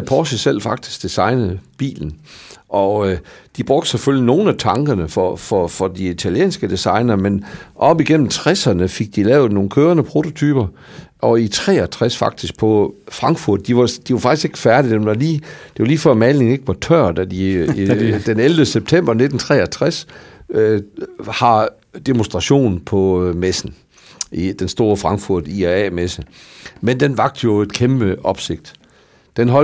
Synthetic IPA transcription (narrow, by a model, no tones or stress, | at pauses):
pʰɒːsisel̰fɑ̈ɡ̥̚d̥i̥sɡ̥̚d̥isɑ̈ɪnəð̩ˠb̥ḭːln̩ʔɒ̽d̥ib̥ʁɔɡ̥̚d̥seføl̰ino̝ːn̩æt͡sʰɑ̈ŋɡ̥ɐnəfɒfɒfɒ̽diit͡sʰæljḛːnsɡ̥əd̥isɑ̈ɪnɐmenʔɒ̽b̥iɡ̥en̰m̩t͡sʰʁɛsɐnəfeɡ̥̚d̥ilɛːʊð̩ˠno̝ːn̩kʰøːɐnəpʰʁo̝t͡sʰo̝t͡sʰyːb̥ɐ | ʔɒ̽it͡sʰʁɛ̰ːɒt͡sʰʁɛsfɑ̈ɡ̥̚d̥isɡ̥̚pʰɒ̽fʁɑ̈ŋɡ̥fuɐ̰d̥̚ːiʋɑ̈d̥iʋɑ̈fɑ̈ɡ̥ise̝ɡ̥ə̥fæɐd̥id̥enʋɑ̈liːd̥e̝ʋɑ̈liːfɶɐ̰mæle̝ŋ̩e̝ɡ̥əʋɑ̈t͡sʰœɐ̰d̥æd̥i | d̥eneld̥əseb̥̚t͡sʰem̰b̥ɐne̝d̥n̩t͡sʰʁɛ̰ːɐt͡sʰʁɛs | hɑ̈ | d̥emonsd̥ʁɑ̈ɕo̝̰ːnpʰɒ̽mesn̩ | id̥ensd̥o̝ːɐfʁɑ̈ŋɡ̥fuɐ̰d̥iæɛ̰ːmesəmend̥enʋɑ̈ɡ̥̚d̥əjo̝e̝d̥kʰemb̥əɒ̽b̥se̝ɡ̥̚d̥ | d̥enɦɒ̽